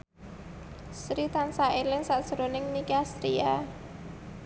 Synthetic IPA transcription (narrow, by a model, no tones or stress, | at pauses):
sɾit̪ansaelɪŋsaʔd̥ʒ̥əɾonɪŋnikast̪ɾia